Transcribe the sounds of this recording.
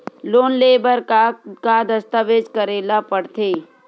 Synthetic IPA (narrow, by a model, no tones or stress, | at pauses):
loːnleːbəɾkad̪əst̪aʋeːd͡ʒkəɾeːlapəɽt̪ʰeː